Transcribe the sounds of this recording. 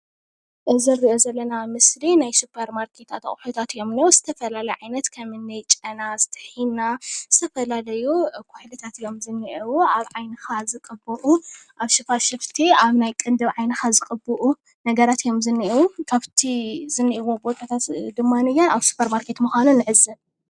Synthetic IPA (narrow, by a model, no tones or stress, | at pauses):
ʔɨzɨɾːiʔozɐlːɐnamɨslinajsupʰɐɾmaɾkʰe̞t̪ʰat̪a̰χʼħut̪ʰat̪ɨjomnwuz̥ɨt̪ʰɐfɐlalɐjʕajnɐt̪kʰɐmɨnːɐjt͡ʃʼɐnazɨ̥t̪ʰɨ̥ħinːaz̥ɨt̪ʰɐfɐlalɐjukʰʊħlɨt̪ʰat̪ijo̞mzɨnːiʔiwuaβʕajnɨxazɨkʼɨbɨʔuʔaβʃɨfaʃɨft̪ʰiaβnajkʼɨnd̪ɨβʕajnɨxazɨkʼɨbɨʔu | nɐɡɐɾat̪ijo̞mzɨnːiʔwukʰaβt̪ʰizɨnːiʔiwobok̪ʼat̪ʰat̪d̪ɨmːanɨjanaβsu̥pʰːɐɾmaɾkʰe̞t̪muxʷanunːɨʕɨzːɨ